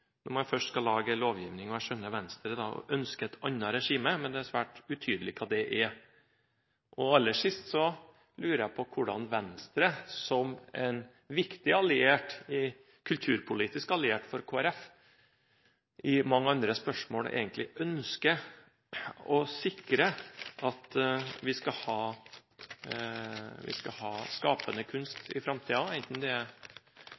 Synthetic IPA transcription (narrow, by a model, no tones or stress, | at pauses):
nʊmɑfœʂʈskɑlːɑːɡəloːʋjiːʋnɪŋɔæʂœnːəʋɛnst̪ɾəd̪ɑɔ̰ʔœnskəɛt̪ʰɑnːɑɾɛʂiːməmɛnd̪ɛæɾsʋæːʈʉt̪ʰyːd̪əlɪkʰɑːd̪ɛʔɛ | ʔɔɑlːəʂɪst̪sɔ | lʉːɾəjæpʰɔkʰʊɖɑ̰nʋɛnst̪ɾəsɔmɛn | ʋɪkt̪ɪɑlɪeːʈɪ | kʰʉlt̪ʰʉːɾpʰʊliːt̪ɪskɑlɪeːʈfɔɾkʰoːæɾɛf | ʔɪmɑŋːəɑnd̪ɾəspœʂmoːɽḛːɡənt̪lɪʔœnskə | ɔsɪkɾəʔɑt̪ʋɪskɑhɑː | ʋɪ̰skɑhɑːskɑːpənəkʰʉnst̪ɪ̰fɾɑmt̪ʰiːɑɛɪnt̪n̩d̪ɛæ